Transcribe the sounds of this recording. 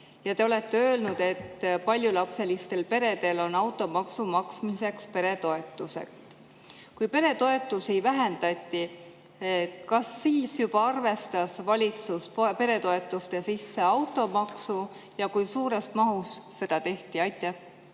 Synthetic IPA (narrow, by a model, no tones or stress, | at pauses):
jɑt̪e̞o̞le̞t̪ːe̞ø̞ːlnud̪̥e̞t̪ːpɑlʲjulɑpse̞list̪e̞lpe̞ɾe̞d̪̥e̞lo̞nɑwt̪ːˑo̞mɑksumɑksmise̞kspe̞ɾe̞t̪o̞e̞t̪ːˑuse̞̰k | kujpe̞ɾe̞t̪o̞e̞t̪ːˑusivæɦe̞nd̪̥ɑt̪ʲːˑi | kɑsːilsjub̥ɑɑrve̞st̪ɑsvɑlʲit̪susppe̞ɾe̞t̪o̞e̞t̪ːˑust̪e̞sisːe̞ɑwt̪ːˑo̞mɑksu | jɑkujsuːɾesmɑɦusːe̞d̪̥ɑt̪e̞ht̪iɑjt̪ːˑe